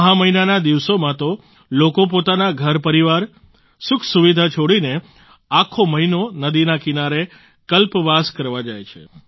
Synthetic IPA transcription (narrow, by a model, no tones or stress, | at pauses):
ɦãməɦinanad̪iʋsomãt̪o | lokop̬ot̪anaɡʱəɾpəɾiʋaɾ | sʊkʰsuʋid̪ʱat͡ʃʰoɽine | akʰoməɦinonəd̪inakinaɾe | kəlpʋaskəɾʋad͡ʒajt͡ʃʰḛ